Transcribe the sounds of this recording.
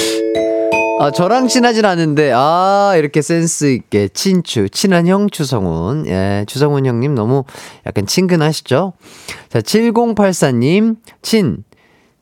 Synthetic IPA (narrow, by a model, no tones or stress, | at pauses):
at͡ɕʌɾaŋt͡ɕʰinad͡ʑinanːɯnde̞aiɾʌkʰe̞s͈e̞ns͈ʰɯik̚k͈e̞t͡ɕʰint͡ɕʰut͡ɕʰinançjʌŋt͡ɕʰusʰʌŋṵnje̞̰t͡ɕʰus̬ʰʌŋunjʌŋɲimnʌmuja̰k͈ant͡ɕʰinɡɯnɦaɕʰi̥d͡ʑot͡ɕat͡ɕʰiɭɡoŋpʰaɭs͈aɲːimt͡ɕʰin